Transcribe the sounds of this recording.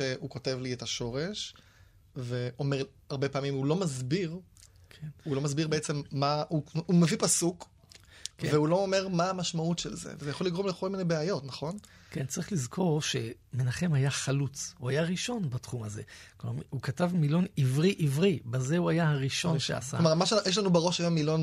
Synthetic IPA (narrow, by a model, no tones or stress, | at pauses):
ʃehuko̞te̞vlietaʃo̞ʁe̞ʃ | veʔomeʁ | aʁbepaːmimulo̞mazbiʁkʰenulo̞mazbiʁbeet͡se̞mːauumevipasuk | kveulo̞omeʁmaːmaʃmautʃḛlzḛvezejaχoliɡʁo̞mleko̞lminejbeajo̞tnaχo̞nkent͡saʁiχlizkʰo̞ʁʃe̞ | menaχe̞majaχalut͡shuajaʁiʃo̞nbatχumaze̞̰klma̰hukatavmilo̞nivʁiʔivʁibaze̞uajahaʁiʃo̞nnʃḛa̰sa̰omamaʃjeʃlanubeʁo̞ʃajamilo̞n